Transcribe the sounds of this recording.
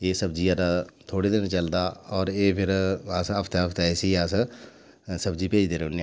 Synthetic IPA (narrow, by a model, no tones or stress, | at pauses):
eːsəbd͡ʒiːəɾat̪ʰoːɽeːd̪ɪnt͡ʃəld̪aːɔːɾeːpʰɪɾəsəpʰt̪eəpʰt̪aɛsias | səbd͡ʒiːpeːd͡ʒd̪eːɾʊne